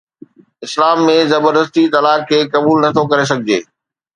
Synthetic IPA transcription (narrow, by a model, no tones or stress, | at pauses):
ɪslaːmːẽzɐbəɾd̪əs̬t̪it̪ɐlaːkkʰːeːkɐbuːlnɐt̪ʰokɐɾes̬ɐɡʱɪd͡ʑeː